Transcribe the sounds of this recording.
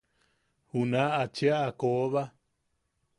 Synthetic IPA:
hunaat͡ʃeaːkoβa

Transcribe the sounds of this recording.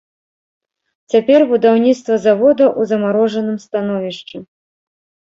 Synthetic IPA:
t͡sʲapʲɛrbud̪awnʲit̪st̪vɐzavɔd̪ɐʔuzɐmaɾɔʐɐnɨmst̪anɔvʲiʂt͡ʂɛ

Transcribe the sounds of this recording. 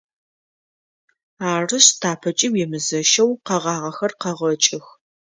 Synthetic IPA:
aːrɨɕtʰaːpʰɐt͡ʃʼiwɛmɨzɐʃɐwqɐʁɑːʁɐxɐrqɐʁɐt͡ʃʼɪx

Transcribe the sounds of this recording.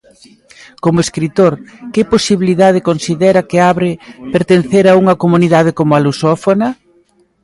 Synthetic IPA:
komʊeskɾit̪oɾkɪposiβiliðað̞ɪkonsiðɛɾɐkɪaβɾɪpeɾt̪enθeɾauŋɐkomuniðað̞ɪkomʊalusɔfonɐ

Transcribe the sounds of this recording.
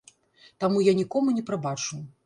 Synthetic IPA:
t̪amujanʲikɔmunʲɛpɾabat͡ʂɨw

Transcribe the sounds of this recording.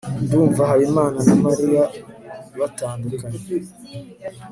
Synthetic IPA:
nduːɱvaɦajimaːnanamaɾija | βataːnduɾkaɲ

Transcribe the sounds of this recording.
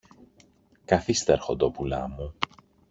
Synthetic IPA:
kɐθist̪eɾxod̪opulɐ̰mu

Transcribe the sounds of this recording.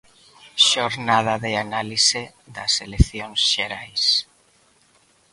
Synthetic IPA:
ʃoɾnaðaðeanalise | ðɐselekθjoŋsʃeɾajs

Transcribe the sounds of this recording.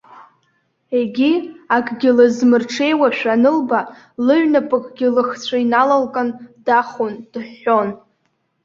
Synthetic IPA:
eɡʲiakʼɡʲɪlɨzmɨrʈ͡ʂʰe̞jwaʃᶣanɨlba | lɨɥnapʼɨkʼɡʲɪlɨχt͡sʷʰainalalkʼandaχond̥ħon

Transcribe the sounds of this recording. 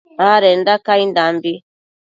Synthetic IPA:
aɾɛndakaindambi

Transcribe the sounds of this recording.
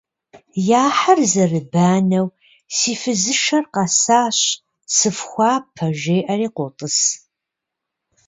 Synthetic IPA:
jaːħɐrzɐrɨbaːnɐw | siːfɨzɨʃɐrqɑsaːɕ | sɨfxʷɑːpʰɐʒeːʔɐriːqʷʊtʼɨs

